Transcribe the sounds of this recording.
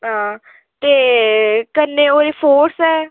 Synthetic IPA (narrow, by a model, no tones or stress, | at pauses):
ɦãː | t̪eːkənːẽːoːɾeːpʰoːɾsɛː